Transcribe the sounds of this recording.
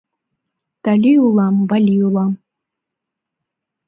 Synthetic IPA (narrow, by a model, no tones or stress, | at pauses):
t̪alʲiulˠɑmvalʲiulˠɑm